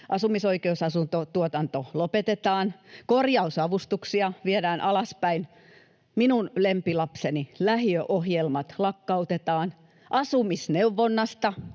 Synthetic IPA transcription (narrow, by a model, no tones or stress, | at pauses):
ʔɑsumisoikeusɑsunt̪ot̪uot̪ɑnt̪olopet̪et̪ɑːnkorjɑusɑʋust̪uksiɑʋiedæːnʔɑlɑspæin | minunlempilɑpsenilæhiøʔohjelmɑt̪lɑkːɑut̪et̪ɑːn | ʔɑsumisneuʋːonːɑst̪ɑ